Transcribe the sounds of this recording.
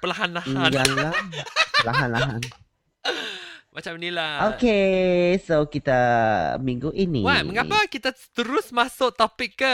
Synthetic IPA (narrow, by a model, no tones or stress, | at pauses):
pəlaɦanlahajaŋlapəlaɦanlaɦan | mat͡ʃamnilaokesokit̪amiŋɡuʔinḭwaməŋapəkit̪asə̥t̪əɾʊsmasʊʔ̚t̪ɔpɪkːə